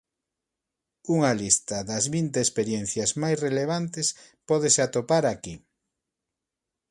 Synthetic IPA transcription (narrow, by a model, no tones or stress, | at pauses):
uŋalist̪ɐðɐzβint̪eːspeɾjen̟θjɐzmajsreleβ̞ant̪es | pɔðeseat̪opaɾaki